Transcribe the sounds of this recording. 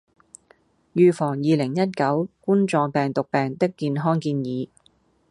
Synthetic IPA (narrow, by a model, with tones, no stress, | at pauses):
jyː˨˧fɔː˨˩ŋjiː˨lɪ˨˩ŋjɐ˥t̚kɐ˨˥wkuː˥nt͡sɔː˧ŋpɛː˨ŋt̪ʊ˨k̚pɛː˨ŋt̪ɪ˥kːiː˧nɦɔː˥ŋkiː˧njiː˨˧